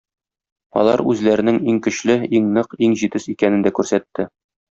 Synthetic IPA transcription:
ɒ̰lˠɑ̰ɾʉ̰zlæɾɘ̆nɘŋiŋkɵ̆ɕlɘiŋnɤqiŋʑit̪ɘsikænɘ̆nd̪ækʉɾsæt̪ːɘ

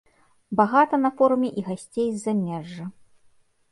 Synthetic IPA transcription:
baɣat̪ɐnɐfɔɾumʲɛʔiɣasʲt͡sʲejzːamʲɛʐːɐ

